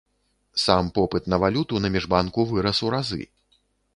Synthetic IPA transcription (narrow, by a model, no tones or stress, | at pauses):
sampɔpɨt̪nɐvalʲut̪unɐmʲiʐbankuvɨɾɐsuɾazɨ̰